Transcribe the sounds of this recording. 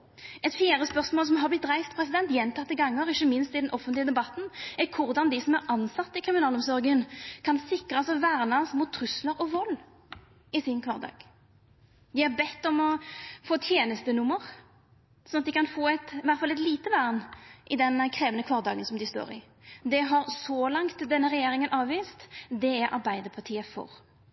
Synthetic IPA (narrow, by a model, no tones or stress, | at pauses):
ɛt̪fiːʁəspœʁsmoːls̬ɔmɦɑblɪt̪̚d̪ʁæɪft̪pʰɾɛsɪd̪ɛnt̪jɛnt̪ʰɑt̪ːɪɡɑŋːəɾɪçːəmɪnst̪ɪd̪ɛnʔɔfənlɪəd̪ɛbɑt̪n̩ækʰʊʁd̪ɑnd̪ɪsɔmæʁʔɑnsɑt̪ːɪkʰʁɪmɪnɑːlʊmsɔʁɡənkʰɑnsɪkʁɑsɔʋæːʁnɑsmuːt̪ʰːʁʉsləʁɔʋɔlː | ɪsɪnkʰʋɑʁd̪ɑ̰ːɡ̥ | d̪ɪɑʁbɛt̪ːɔmɔfoːt̪ʰjeːnəst̪ənʊmːəʁ | sɔnɑt̪̚d̪ɪkɑnfoːɛt̪ʋæʁt̪fɑlɛt̪liːt̪əʋæːʁnʔɪd̪ɛnkʰɾeːʋənəkʰʋɑːʁd̪ɑːɡənsɔmd̪ɪst̪o̰ːɾɪ̰ | d̪ɛɦɑɾsɔːlɑŋt̪d̪ɛnːəʁɛjeːɾɪŋənʔɑːʋʋiːst̪d̪ɛæɾʔɑ̰ʁbæɪd̪əpʰɑʁt̪ʰiːəfɔ̰ɾ